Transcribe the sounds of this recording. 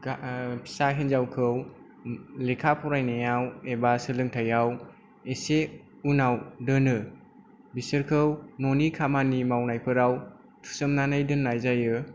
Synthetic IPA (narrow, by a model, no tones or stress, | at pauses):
apʰi̥saɦenzawkʰɯw | lekʰapʰɔɾajnajawebasɯlɯŋtʰajaw | ese | unawdɯnɯ | bisɯɾkʰɯwnonikʰamanimawnajpʰɯɾaw | tʰu̥sɯmnanajdɯnːajzajɯ